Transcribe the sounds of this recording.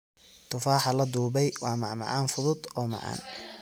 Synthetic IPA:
t̪ʰʊfaːħɑlɐd̪uːbɛjwɑːmɑʕmɑ̰ʕɑːnfʊðʊd̪ɔːmɑ̰ʕɑ̰ːn

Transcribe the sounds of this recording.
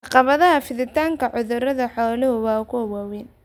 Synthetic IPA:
ʕɑqɑβɐðɐɦɐfɪðɪt̪ʰaːŋkʰɐʕʊðʊɾɐðɐħɔːlɪhʊwɑːkʰʊwaːwɛːn

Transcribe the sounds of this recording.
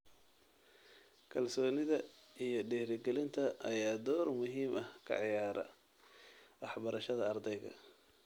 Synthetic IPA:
kʰɐlsɔːnɪðɐijɞɖɛːhɾɪɡɛlɪnt̪ʰɐʔɐjaːd̪ɔːrmʊɦiːmɐhkʰɐ̰ʕjaːɾɐ̰ | wɑħbɐɾɐʃɐðɐɐrd̪ɛjɣɐ̰

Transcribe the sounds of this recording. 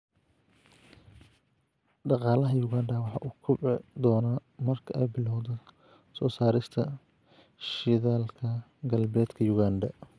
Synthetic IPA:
ɖɑqɑːlɐɦɐjʊɣaːnd̪ɐwɑħɑ̰ːʔuːkʰʊbɪd̪ɔːnamɐrkʰɐʔɛjbɪlɔwðɔ | sɔːsaːɾɪst̪ʰɐ | ʃɪðaːlkʰɐ | ɡɐlbɛːd̪kʰɐjʊɣaːnd̪ɐ

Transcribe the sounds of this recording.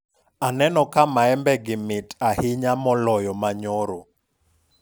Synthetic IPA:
anɛnɔkamaɛmbɛɡimitahiɲamɔlɔjɔmaɲɔɾɔ

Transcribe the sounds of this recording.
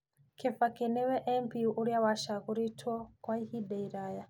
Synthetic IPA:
kɛfakɛnɛwɛʔɛmpiuʔuɾijawaʃakuɾitʰwɔkwaihiɗɛiɾaja

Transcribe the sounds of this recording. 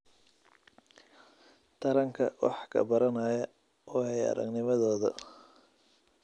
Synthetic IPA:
t̪ʰɐɾɐŋkʰɐ̰wɑ̰ħkʰɐ̰bɐɾɐnaːjɐ | ʔɔːhɛjɐ̰ɾɐ̰ɡnɪmɐðɔːðɐ̰

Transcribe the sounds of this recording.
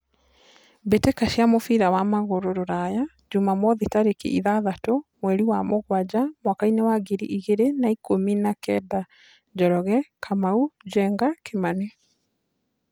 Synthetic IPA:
betekaʃiamofiɾawamaɣoɾoɾoɾaja | d͡ʒumamɔðitaɾekḛʔiðaðatomwɛɾiwamoɣwad͡ʑamwakainewaɡiɾḭʔiɣeɾenaikominakɛda | d͡ʒɔɾɔɣɛkʰamaud͡ʒɛŋɡakemane

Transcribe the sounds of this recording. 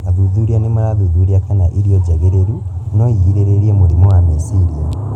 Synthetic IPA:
aðuðuɾianemaɾaðuðuɾiakanaʔiɾiɔd͡ʑɛɣeɾeɾu | nɔiɣiɾeɾeɾiemoɾimowamesiɾia

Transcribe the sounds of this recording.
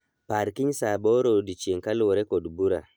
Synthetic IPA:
paɾkiɲsaboɾodit͡ʃieŋkalwoɾekodbuɾa̰

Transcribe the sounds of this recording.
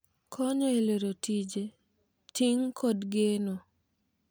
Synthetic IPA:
kʰɔɲɔeleɾotid͡ʒe | tiŋkʰɔdɡeno

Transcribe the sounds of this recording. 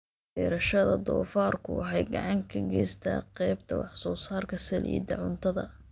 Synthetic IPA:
bɛːɾɐʃɐðɐd̪ɔːfaːrkʰʊwɑħɑjɡɑʕɑŋkʰɐɡɛːst̪ʰa̰ːqɛjb̚t̪ʰɐwɑħsɔːsaːrkʰɐsɐlʔḭːd̪ɐʕʊnt̪ʰɐðɐ

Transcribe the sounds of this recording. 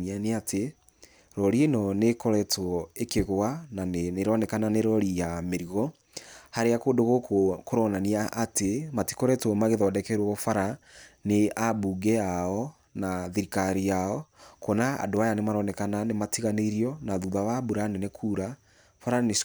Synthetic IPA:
aneate | ɾɔɾinɔnekɔɾɛtɔekeɣoananeɾɔnɛkananeɾɔɾijameɾiɣɔ | haɾeakodoɣokoɾɔnaniaʔatemati̥kɔɾɛtɔmaɣeðaɔdɛkɛɾwɔɔfaɾaneabuɡɛaɔ | naðiɾikaɾijaɔkonaa̰doajanemaɾɔnɛkananematiɣaneɾiɔnaðuðawabuɾanenekʰuɾa | faɾane

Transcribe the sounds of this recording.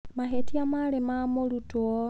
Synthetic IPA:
maɦetiamalemamolutwɔ

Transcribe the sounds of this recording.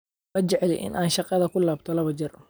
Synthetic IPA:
mɐt͡ʃɛʕɛlɛ̰jʔɪ̰nʔaːnʃɑqɑðɐkʰʊlaːbt̪ʰɔlɐβɐd͡ʒɪr

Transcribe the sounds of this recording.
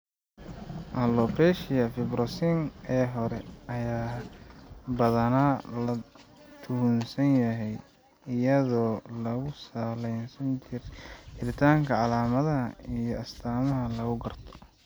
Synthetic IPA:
ʔɐlɔpɛːʃɪjɐfɪbɾɔsinɛːɦɔɾɛɐjaː | bɐðɐnalɐ | t̪ʰʊhʊnsɐnjɐɦɛj | ɪjɐðɔːlɐɣʊsaːlɛjnsɐnt͡ʃɪrt͡ʃɪɾɪt̪ʰaːŋkʰɐʕɑlaːmɐðɐɦɐijɞɐst̪ʰaːmɐɦɐlɐɣʊɡɐrt̪ʰɔ̥

